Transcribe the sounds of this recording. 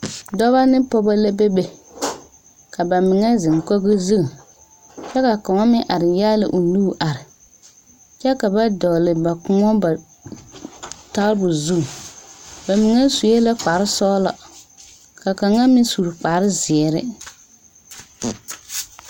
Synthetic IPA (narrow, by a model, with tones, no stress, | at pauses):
dɔ˦βa˦nɪ˦pɔ˦ba˦la˦be˦be˨ | ka˨ba˨mɪ˨ŋɛ˦zɪ˨ŋ˨ko˦ɣɨ˦zɨ˦˨ | t͡ʃɛ˦ka˨ka˨ŋɔ˦mɪ˦ʔa˨ɾɪ˨jaː˦lɪ̰˨ʔu˨nuː˦˨ʔa˨ɾɪ˨ | t͡ʃɛ˦ka˨ba˦dɔ˨lɪ˨ba˨kʊ˦ŋɔ˦ba˨ | ta˦ɾbʊ˨zu˦˨ | ba˨mɪ˨ŋɛ˦su˨je˦la˦k͡pa˨ɾɪ˦sɔ˦la̰˨ | ka˨ka˨ŋa˦mɪ˦su˨ɾk͡pa˨˦ɾɪ˦zɪ˨ɛ˨ɾɪ̰˦